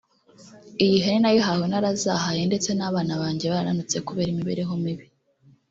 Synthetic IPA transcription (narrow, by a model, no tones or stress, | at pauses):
ijiɦeninajiɦawenaɾazaɦaje̞nde̞t͡se̞naβaːnaβaːɲɟe̞βaɾaɾanut͡se̞kuβe̞ːɾimiβḛɾe̞ɦo̞miβi